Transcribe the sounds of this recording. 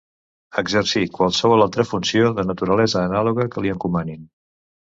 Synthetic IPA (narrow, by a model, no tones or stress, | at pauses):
əɡzərsikwalˠsəβɔlˠalˠt̪ɾəfunsioðənət̪uɾəlɛzəːnaluɣəkəliəŋkumanin